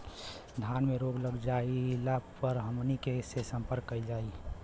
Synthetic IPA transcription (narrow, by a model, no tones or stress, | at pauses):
d̪ʱjanmeɾoɡləɡd͡ʒaːilapəɾɦəmnikesesə̃mpəɾkːəid͡ʒaːi